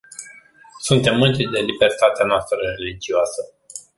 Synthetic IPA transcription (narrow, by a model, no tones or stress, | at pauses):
sunt̪e̞mːɨnt̪id̪e̞libe̞rt̪at̪eanoast̪ɾəre̞lid͡ʒioasə